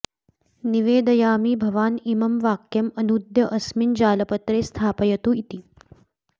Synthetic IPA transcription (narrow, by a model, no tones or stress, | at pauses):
niʋeːd̪ɐjaːmiːbʱɐʋaːnimɐmʋaːkjɐmɐnud̪jɐʔɐsmind͡ʒaːlɐpɐt̪ɾeːst̪ʰaːpɐjɐt̪uit̪i